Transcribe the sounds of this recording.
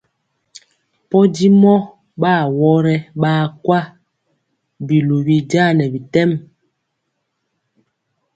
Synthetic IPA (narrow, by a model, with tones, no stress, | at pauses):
pɔ˦di˦mɔ˦ | ɓaː˦˨wɔ˦ɾɛ˦ɓaː˦kwa˦ | bi˨lu˨bi˨d͡ʒa˦˨nɛ˨bi˨tɛ˦˨m